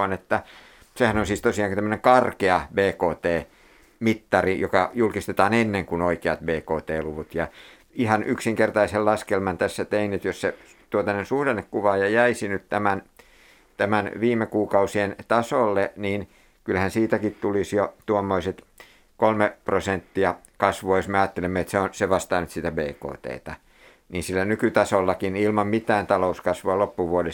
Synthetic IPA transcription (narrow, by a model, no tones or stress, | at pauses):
ɑnet̪ːæ | sehænonsiːst̪osiɑːˑŋkt̪æmːəneŋkɑrkeɑbeːkoːt̪eː | mit̪ːɑrijokɑjulkist̪et̪ɑːnenːeŋkunoikeɑt̪beːkoːt̪eːluʋut̪jɑ | ihɑnʔyksiŋkert̪ɑisellɑskelmɑnt̪æsːæt̪einet̪josse | t̪uot̪ɑnensuhdenːekkuʋɑjɑjæisinyt̪t̪æmæn | t̪æmænʋiːmːˑekuːkɑusient̪ɑsolːeniːn | kylhænsiːt̪ækit̪t̪ulisjot̪uomːoiset̪ | kolmeprosent̪ːiɑ | kɑsʋuɑjosmeɑːt̪ːelemːeet̪seonseʋɑst̪ɑːnyt̪sit̪æbeːko̰ːt̪ḛːt̪ɑ | niːnsilːænykyt̪ɑsolːɑkinilmɑmmit̪æːnt̪ɑlouskɑsʋuɑlopːuʋuode